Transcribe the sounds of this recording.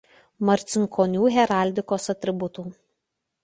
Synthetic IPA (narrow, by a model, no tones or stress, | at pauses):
mɐɾʲt̪sʲɪŋkʰoːnʲuːɦʲɛɾaˑlʲd̪ʲɪkoːsɐt̪ʲɾʲɪbʊt̪uː